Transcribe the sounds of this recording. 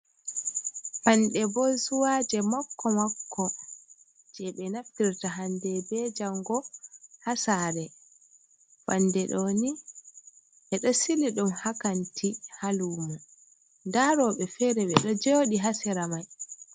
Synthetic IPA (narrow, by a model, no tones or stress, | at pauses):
panɗɛbɔsuwaːd͡ʒɛmɔkːɔmakːɔ | d͡ʒɛɓɛnaftiɾtaɦandɛbɛd͡ʒaŋɡɔhasaɾɛ | fandɛɗoni | ʔɛɗɔsiliɗumhakantʰihaluːmu | ndaɾɔɓɛfɛɾɛɓɛɗɔd͡ʒoːɗiɦasiɾamaj